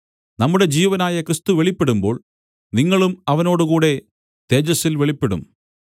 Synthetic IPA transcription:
nɐmːuɽe̞d͡ʑiːʋɐnaːjɐkrɨst̪uʋeɭipːe̞ɽumbo̞ːɭ | niŋːɐɭumɐʋɐno̞ːɽukuːɽe̞ | t̪e̞ːd͡ʑɐsilʋeɭipːe̞ɽṵm

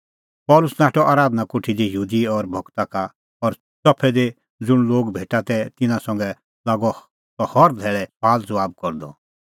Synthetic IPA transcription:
pɔːlʊsnaːʈɔʔaːɾaːd̪nakʊʈʰid̪ijuːd̪iɔɾbʱɔkt̪aka | ɔɾ | t͡sɔpʰɛd̪e | d͡zʊɽ̃loːɡbʱeːʈat̪ɛt̪ɪnãsɐ̃ŋɡɛ | laːɡɔ | t̪ɔhɔɾd̪ʱɛːɭɛpaːld͡zɔaːb̚kɔɾd̪ɔ

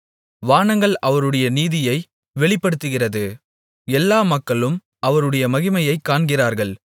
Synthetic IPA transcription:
ʋaːɳɐŋɡɐɭʔɐʋɐɾɯɽɐjɐniːðɪjɐɪ | ʋɛɭɪpːɐɽɯt̪ːɯɣɪrɐðɯ | ɛlːaːmɐkːɐɭɯm | ɐʋɐɾɯɽɐjɐmɐɣɪmɐjɐɪkːaːɳɡɪraːɾɣɐɭ

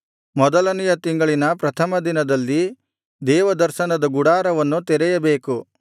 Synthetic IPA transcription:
mɔd̪ɐlɐnijɐt̪iŋɡɐɭinɐpɾɐt̪ʰɐmɐd̪inɐd̪ɐlːi | d̪ɛːʋɐd̪ɐɾʃɐnɐd̪ɐɡuɽaːɾɐʋɐnːut̪ɛɾɛjɐbeːku

